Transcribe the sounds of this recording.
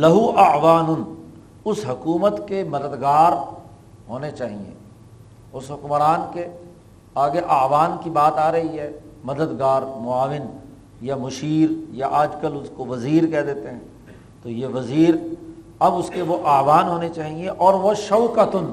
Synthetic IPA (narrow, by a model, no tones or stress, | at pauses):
lɐɦuʔɐʕʋaːnʊn | ʊsɦʊkuːmət̪kemɐd̪əd̪ɡaːɾ | ɦoːnet͡ʃaːɦiḛ | ʊsɦʊkmɾaːnke | aːɡeʔaːʋaːnkibaːt̪aːɾɐɦiɦɛːmɐd̪əd̪ɡaːɾmʊaːʋɪn | jamʊʃiːɾjaʔaːd͡ʒkɐlʊskoʋɐziːɾkɛɦd̪eːt̪eɦɛ̃ː | t̪ojeʋɐziːɾ | ɐbʊskeʋoʔaːʋaːnɦoːnet͡ʃaːɦieʔɔːɾʋoʃɐʊkət̪ʊn